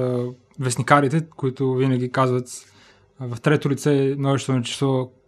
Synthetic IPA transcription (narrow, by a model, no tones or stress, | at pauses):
vɛsnikaɾit̪ɛkʊit̪ʊvinəɡ̟ikazvət̪ | vɐft̪ɾɛt̪ʊlit̪sɛɛnɔvɛʃt̪onɐt͡ʃɛ̥st̪ɔ